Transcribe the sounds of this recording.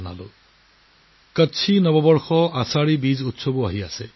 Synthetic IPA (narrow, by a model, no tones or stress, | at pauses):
na̰lʊ̰ | kətːt͡ʃʰinɔbɔbɔɹxɔasaɹibizutsobuaɦiasɛ